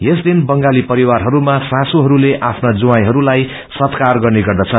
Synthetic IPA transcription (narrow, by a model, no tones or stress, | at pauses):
jesd̪inbʌŋɡalipʌɾiwarɦʌɾumasãsuɦʌɾuleʔapʰnad͡zuwajɦʌɾulaj | sʌt̪karɡʌrneɡʌrd̪ʌt͡sʰʌn